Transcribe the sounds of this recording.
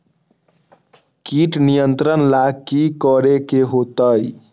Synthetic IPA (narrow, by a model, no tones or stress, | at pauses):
kiʈnijənt̪ɾənlakikəɾekeɦot̪əj